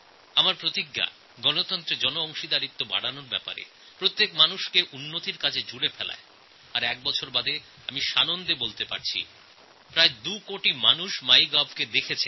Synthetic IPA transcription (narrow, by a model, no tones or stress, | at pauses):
amaɾpɾot̪iɡːa̰ | ɡɔnot̪ɔnt̪ɾed͡ʑɔnoɔŋʃid̪aɾit̪ːoba̰ɽanoɾbɛpa̰ɾḛ | pɾot̪ːekmanuʃkeʔunːot̪iɾkat͡ɕʰed͡ʑuɽefɛla̰e | aɾɛk̚bɔt͡ɕʰoɾbad̪e | amiʃanond̪ebolt̪epa̰ɾt͡ɕʰḭ | pɾaed̪ukoʈimanuʃmajɡabʱked̪ekʰet͡ɕʰe